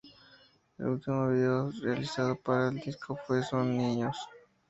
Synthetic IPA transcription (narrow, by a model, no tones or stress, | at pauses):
ḛlult̪imoaβiieorealisaðopaɾaeld̪iskʰofwesonniɲos